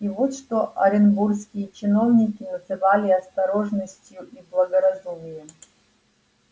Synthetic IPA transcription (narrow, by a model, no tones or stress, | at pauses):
ivut̪ʂt̪oʔɐ̰ɾʲɪnburskʲijət͡ɕɪno̞vnʲɪkʲinəzɨvalʲɪɐst̪ɐɾoʐnəsʲtʲjuʔiblˠɐɡɐɾɐzumʲɪjəm